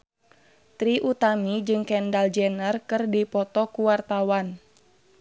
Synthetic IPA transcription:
t̪ɾiʔut̪amid͡ʒɨŋkɛndald͡ʒɛnərkɨrdipɔt̪ɔkuwart̪awan

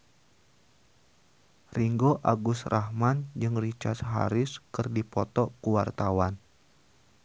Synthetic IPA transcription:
riŋɡoʔaɡʊsrʔahmand͡ʒɨŋrit͡ʃart̪ɦa̰ɾɪskɨrdipɔt̪ɔkuwart̪awan

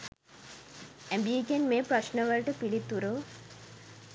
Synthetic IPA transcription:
æmbiːɡenmeːpɾɐʃnəʋəlʈəpiɭit̪ːuɾo

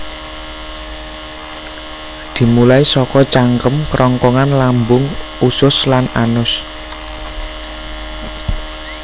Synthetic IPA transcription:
d̪̥i̤mulaisɔkɔt͡ʃaŋkəmkɾʔɔŋkɔŋanlambʊŋ | usʊslananʊs

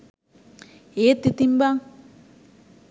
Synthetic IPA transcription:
et̪ːit̪imbaŋ

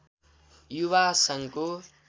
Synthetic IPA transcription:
juβasʌŋko

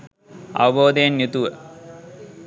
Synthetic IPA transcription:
ɐ̰ʋɐboːd̪ɐjenjut̪uʋə

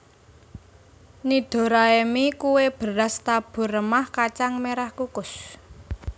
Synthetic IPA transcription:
nid̪̥o̤ɾaemikuweb̥ə̤ɾast̪ab̥ṳrəmahkat͡ʃaŋmeɾahkukʊs

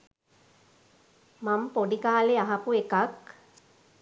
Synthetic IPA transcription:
mampoɖikaːleaɦapuekak

